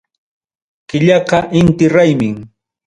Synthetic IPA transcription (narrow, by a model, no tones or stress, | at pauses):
kɪʎɑqɑʔɪnt̪ɪɾajmɪŋ